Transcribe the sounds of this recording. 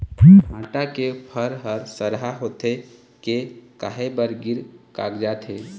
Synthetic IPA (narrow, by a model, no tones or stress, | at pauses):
ibʱãːʈakepʰəɾɦəɾsəɾɦaɦoːt̪e | kekaːɦebəɾɡɪɾka̰ːkd͡ʒaːt̪ɦeː